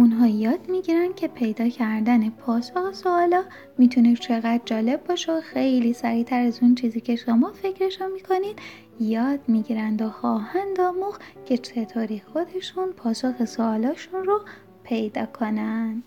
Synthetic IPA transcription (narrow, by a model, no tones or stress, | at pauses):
ʔunɦɒːjɒːd̪̥miɟiːɾænd̪̚cʰe̞pʰe̞jd̪ɒːcʰæɾd̪æne̞pʰɒːsoxesoɒːlɒː | miːt̪ʰunet͡ʃʰe̞ɣæd̪̥̚d͡ʒɒːle̞bːɒːʃeoxe̞jliːsæɾiːt̪ʰæɾæzunt͡ʃʰiːziːcʰe̞ʃomɒːfe̞cʰɾe̞ʃunmiːkʰo̞niːd̪̥ | jɒːd̪̥miːɟiːɾænd̪oxɒːhænd̪ɒːmuxcʰe̞t͡ʃʰe̞t̪ʰoːɾixo̞d̪e̞ʃunpʰɒːsoxe̞soɒːlɒːʃunro | pʰe̞jd̪ɒːkʰo̞nænd̪̥